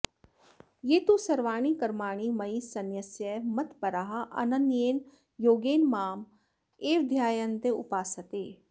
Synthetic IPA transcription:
jeːt̪usɐɾʋaːɳ̃ikɐɾmaːɳ̃imɐisɐnjɐsjɐmɐt̪pɐɾaɦɐʔɐ̰nɐnjeːn | joːɡeːnmaːm | eːʋd̪ʱjaːjɐnt̪eṵpaːsɐt̪eː

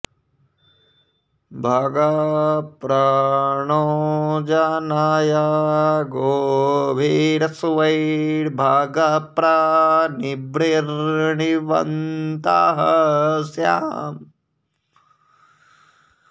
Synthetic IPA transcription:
bʱaːɡɐpɾɐɳoːd͡ʒanaːjaɡoːbʱiːɾɐsʋɐjɽbʱaːɡɐpɾɐnibɾiɾɳiʋɐ̰nt̪aɦɐsja̰ːm

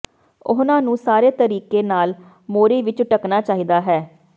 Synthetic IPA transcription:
ʊɦnãːnũːsaːɾeːt̪əɾiːkeːnaːl | moːɾeːʋɪt͡ʃʈəknaːt͡ʃaːɦiːd̪aːɦɛː

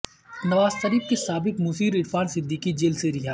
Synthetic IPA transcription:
nɐʋaːzʃɐɾiːb̚kesaːbɪkmuːsiːɾɪɾfaːnsɪd̪ʱːikid͡ʒeːlseɾɪɦaː

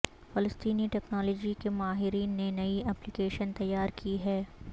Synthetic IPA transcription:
fɐləst̪iːniʈɛːknɔːlɔːd͡ʒikemaːɦɪɾiːnːenɐiɛːplɪkeːʃənt̪ɐjːaːɾkʰiɦɛː

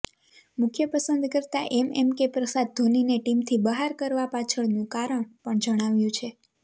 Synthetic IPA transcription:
mʊkʰjəpəsənd̪kəɾt̪aʔɛmɛmkepɾəsad̪̚d̪ʱonineʈimt̪ʰibəɦaɾkəɾʋapat͡ʃʰəɭnũkaɾəɳ̃pəɳd͡ʒəɽ̃aʋjũt͡ʃʰe

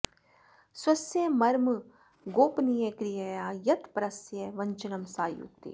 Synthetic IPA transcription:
swɐsjemɐɾm | ɡoːpnijekɾijɐjaːjɐt̪pɐɾɐsjeʋɐɲt͡ʃɐnɐmsaːjṵkt̪ḭ

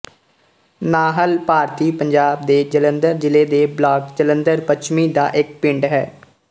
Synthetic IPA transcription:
naːɦəlpaːɾt̪iːpəɲd͡ʒaːbd̪eːd͡ʒələnd̪əɾd͡ʒɪleːd̪eːblaːkd͡ʒələnd̪əɾpət͡ʃʰmiːd̪a̰ːʔɪk̚pɪ̃ɳɖɦɛ̰ː

